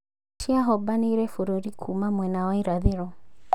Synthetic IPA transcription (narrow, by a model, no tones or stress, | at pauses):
tiaɦɔbaniɾɛfuɾɔɾikʰumamwɛnawaiɾaðɛɾɔ